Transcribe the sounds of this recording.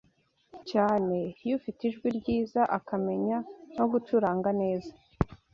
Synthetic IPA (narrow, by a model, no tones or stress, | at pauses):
caːne̞jufitiʒɡwiɾɟiːzaʔakame̞ɲano̞ɡutuɾaːŋɡane̞ːza